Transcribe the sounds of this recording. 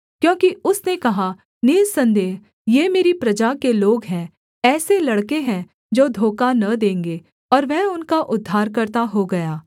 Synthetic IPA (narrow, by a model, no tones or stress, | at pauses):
kjõːkiʊsnekɐɦa | nɪɾsɐ̃nd̪eːɦ | jeːmeːɾipɾɐd͡ʒakeloːɡɦɛ̃ | ɛːselɐɽkeɦɛ̃ | d͡ʒoːd̪ʱoːkanɐd̪ẽːŋɡeː | ɔːɾʋɛʊnkaʔʊd̪ʱːaːɾkɐɾt̪aɦoɡɐjaː